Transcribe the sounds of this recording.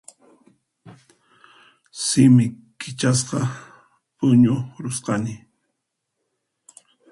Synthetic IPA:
sɪmɪ | kɪt͡ʃas̬qɑ | pʊɲʊɾʊsqɑnɪ

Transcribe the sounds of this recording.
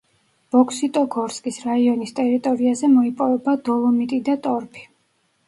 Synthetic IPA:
b̥ɔkʰsit̪ʼɔɡɔɾskʼisɾaiɔnist̪ʼɛɾit̪ʼɔɾiazɛmɔipʼɔvɛbad̪ɔlˠɔmit̪ʼid̪at̪ʼɔɾpʰi̥

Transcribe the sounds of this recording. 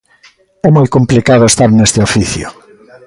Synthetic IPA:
ɛmojkomplikaðoest̪aɾnest̪ɪofiθjʊ̰

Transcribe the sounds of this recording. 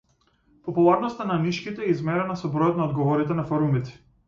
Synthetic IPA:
pɔpulˠaɾnɔst̪anamiʃkit̪ɛizmɛɾɛnasɔbɾɔjɔt̪naɔd̪ɡɔvɔɾit̪ɛnafɔɾumit̪ɛ̥

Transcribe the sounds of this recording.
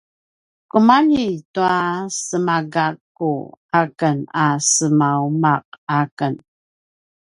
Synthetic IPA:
kumanituasəmaɡakː | ṵakənasəmaumaq̚akən

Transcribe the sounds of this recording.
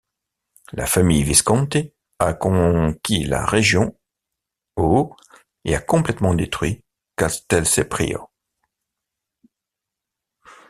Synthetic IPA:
la̰famijviskɑ̃t̪e | akɔ̃kʲʰila̰ʁeʒjɔ̃ | o | eakɔ̃plɛt̪mɑ̃d̪et̪χɥi | kast̪ɛlsepχḭo̰

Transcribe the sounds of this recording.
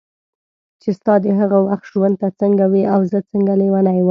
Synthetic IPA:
t͡ʃest̪ɑd̪əɦaɣawaxt̪ʒwand̪̚t̪at͡səŋɡawiʔawzət͡səŋɡalewanajwə

